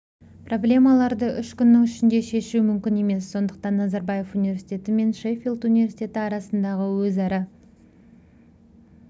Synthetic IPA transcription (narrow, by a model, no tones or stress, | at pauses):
pro̞blʲe̞mɑlˠɑɾd̪əʔʏʃkʲʏnːɪŋʏʃɪnd̪e̞ʃe̞ʃumʏmkʲɪne̞me̞sːo̞nd̪əq̚t̪ɑnːɑzɑɾbɑje̞funivʲe̞ɾsi̥t̪ʲe̞t̪ɪme̞nʃefilˠt̪univʲe̞rsit̪ʲe̞t̪ɪɑɾɑsənd̪ɑʁəwɵzɑɾɑ